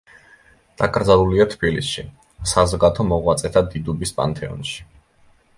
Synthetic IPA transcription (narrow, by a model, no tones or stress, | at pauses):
d̪̥akʼɾd̪zalˠuliat̪ʰbilisʃḭ | sazɔɡat̪ʰɔmɔʁwat̪sʼɛt̪ʰad̪id̪ubispʼa̰nt̪ʰʼɛɔ̰nʃi̥